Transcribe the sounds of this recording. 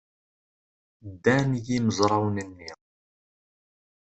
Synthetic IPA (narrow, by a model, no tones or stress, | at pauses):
d̪ːænjiməzˤɾˤɑwnənːi